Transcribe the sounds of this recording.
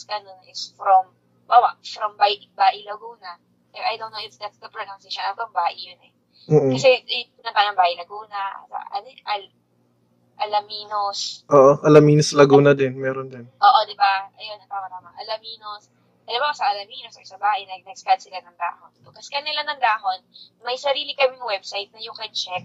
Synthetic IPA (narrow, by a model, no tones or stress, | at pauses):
skɐnonɐʔɪsfɾɔm | bawɐfɾɔmbajʔɪbaːʔɪlɐɡuːnɐ | pɛʔɐjd̪ownːowʔɪt̪sd̪ɐt̪sd̪ɐpɹonawnseʃonɐfkɐmbaːʔɪjʊnɛː | kɐs̬ɛɐnɐpanɐŋbaːʔɪlɐɡuːnɐʔsɐ̰ʔɐ̰nɛʔɐl | ʔɐlɐmiːnosʔoːʔoʔɐlɐmiːnoslɐɡuːnɐd̪ɪnmɛːɾond̪ɛnʔoːʔod̪ɪbaʔɐjonːɐp̪aːmɐt̪amɐŋʔɐlɐmiːnos | ɐlɐmɐkɐsɐʔɐlɐmiːnososɐbaːhʔɪnɐɐɡ̚nɐɡskad̪sɪlanɐŋd̪a̰ːhonokɐskɐnːɪlanɐŋd̪aːɦonmɐjsɐɾiːlɪkɐmɪnɐwɛbsajt̪̚nɐjʊŋkɐt͡ʃɛk̚